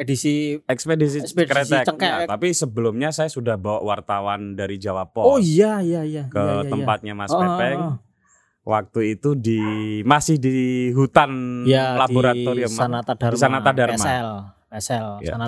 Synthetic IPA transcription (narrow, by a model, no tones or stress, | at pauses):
edisiɛkspedis̬ikɾet̪ɛkəat̪apisəbəlʊmɲasajasudahbawaʔwart̪awandaɾid͡ʒawapɔojajaakət̪əmpat̪̚ɲamasɛpɛŋ | wak̚t̪uit̪udimasɪhdiɦut̪analaboɾat̪oɾiəmanaadarisanat̪adarmaɛl | ɛsɛlja̰a